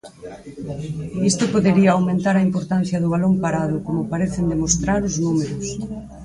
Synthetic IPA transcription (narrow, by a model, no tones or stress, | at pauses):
ist̪opoðeɾiɐːwmẽnt̪aɾɐimpoɾt̪an̟θjɐðʊβ̞alompaɾaðʊkomʊpaɾeθend̪emost̪ɾaɾʊznumeɾʊs